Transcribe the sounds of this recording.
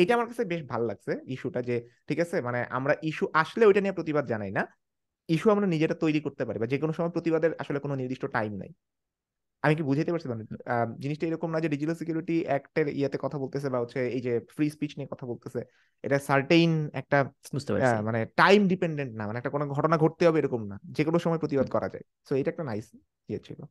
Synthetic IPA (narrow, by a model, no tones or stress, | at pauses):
ejʈaamaɾkat͡ɕʰebeʃbʱalola̰ɡ̚t͡ɕʰeiʃuʈad͡ʑeʈʰikat͡ɕʰemaneʔa̰mɾaʔiʃuʔaʃleojʈaniapɾot̪ibad̪d͡ʑanajna | iʃuamɾanid͡ʑeʈat̪ojɾikoɾt̪epaɾibad͡ʑekonoʃɔmɔepɾot̪ibad̪eɾa̰ʃolekononiɾd̪iʃʈoʈajmna̰j | amik̬ibud͡ʑʱajt̪epaɾsʰt͡ɕʰimaned͡ʑiniʃʈaejɾɔkomnad͡ʑeɖid͡ʑiʈalsikjiuɾiʈiɛkʈeɾḭjat̪ekɔt̪ʰabolt̪esʰebaɦotːɕʰeejd͡ʑefɾispit͡ɕniekɔt̪ʰabolt̪esʰe | ḛʈasaɾʈejnɛ̰k̚ʈabud͡ʑt̪epa̰maneʈajmɖipeɳɖeɳʈnamaneɛk̚ʈakonoɡʱɔʈonaɡʱoʈ̚t̪eɦɔbeeɾɔkomnad͡ʑekonoʃɔmɔepɾot̪ibad̪̚kɔɾa̰d͡ʑa̰e | soejʈaɛkʈanajs | iat͡ɕʰḭlo̰